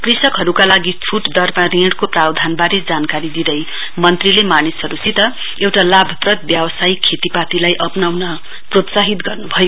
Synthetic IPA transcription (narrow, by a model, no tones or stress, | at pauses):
krisʌkɦʌɾukalaɡit͡sʰuʈd̪ʌrmaɾiɽkoprawd̪ʱanbaɾed͡zankaɾid̪id̪ʌj | mʌnt̪rilemanisɦʌɾusit̪ʌ | ewʈalabʱʌprʌt̪̚bjabʌsajkʰet̪ipat̪ilajʔʌpnawnʌ | prot̪saɦit̪ɡʌrnubʱʌjo